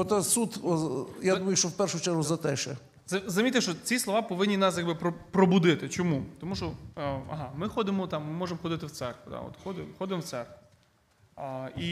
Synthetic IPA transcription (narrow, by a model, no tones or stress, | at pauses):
ɔt̪ɛsut̪jad̪umɐjʊʃt͡ʃɔwpɛrʃʊt͡ʃɛrɦʊzɐt̪ɛʃɛ̰ | zɐzɐzmʲit̪eʃt͡ʃɔt͡sʲislˠɔʋɑpɔʋɪnʲːinɑsjɐɡbɪpɾɔpɾɔbʊd̪ɪt̪ɪt͡ʃɔmut̪ɔmuʃɔɐ̰ɦɑmɪxɔd̪ɪmɔt̪ɑmːɪmɔʒemxɔd̪ɪt̪ɪwt̪sɛrkʋʊd̪a̰ɔ̰t̪xɔd̪ɪxɔd̪ɪmɔwt̪sɛrkʊ | i